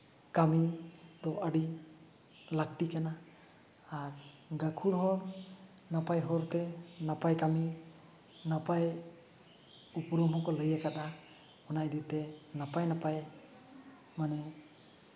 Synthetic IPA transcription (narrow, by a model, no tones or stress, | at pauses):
kamid̪ɔaɽi | lak̚t̪ikanaː | ɾ | ɡakʰuɽɦɔɾ | napajɦɔɾt̪ɛnapajkami | napaj | upɔɾɔmɔkɔləjakat̪a | ɔnajd̪iwt̪ɛnapajnapaj | manɛ